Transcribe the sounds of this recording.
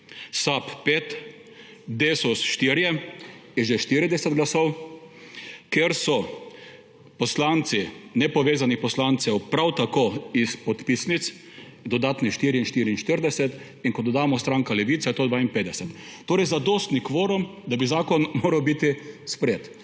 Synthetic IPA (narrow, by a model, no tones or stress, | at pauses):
sappeːt̪ | d̪eːsusʃt̪iɾjɛjɛʒeʃt̪iːɾid̪ɛsɛd̪ɡlasɔw | keɾsɔ | pɔslaːnt̪sinɛpɔʋeːzanixpɔslant̪sɛwpɾawt̪akoispɔt̪pisnit̪s | d̪ɔd̪aːt̪niʃt̪iːɾiinʃt̪iːɾiːnʃt̪əɾd̪ɛsɛt̪ | iŋkɔd̪ɔd̪aːmɔst̪ɾaːŋkalɛʋiːt̪sɛt̪oːd̪ʋaːinpeːd̪ɛsɛt̪ːoːɾɛjzad̪oːst̪nikʋoːɾum | d̪abizaːkɔnmoːɾawbit̪ispɾet̪